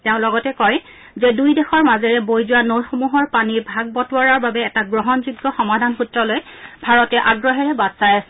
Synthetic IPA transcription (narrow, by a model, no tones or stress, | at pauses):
teʊ̃lɔɡɔtɛkɔj | zɛdujdɛxɔɹmazɛɹɛbojzʊwanojxomuɦɔɹpaniɹbʱaɡ̚bɔtwɔɹaɹbabɛːtaɡɹɔɦɔnzuɡːɔxɔmadʱanxutɹɔlojbʱaɹɔtɛʔaɡɹɔɦɛɹɛbadsajasɛ̥